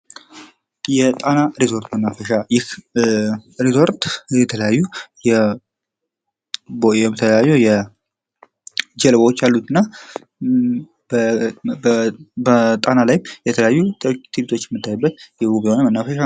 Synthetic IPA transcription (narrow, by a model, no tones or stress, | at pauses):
jɛt̪ʼanaɾisʰo̞ɾt̪mənːafəʃajɪh | ɾisʰo̞ɾt̪jɛt̪ʰələjajːujɛ | boɛmt̪ʰəəjajːuwjɛ | d͡ʒɛlβowot͡ʃːalːut̪ʰɨnːa | ət̪ʼanalajmjɛt̪ʰələjajːut̪t̪ʰibit̪ʰo̞t͡ʃːjɛmːɨt̪ʰːajubːət̪jɛɡuβihonəmənːafəʃa